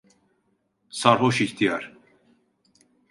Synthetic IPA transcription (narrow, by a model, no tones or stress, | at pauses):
saɾɦoʃiçt̪ʰijaɾ̥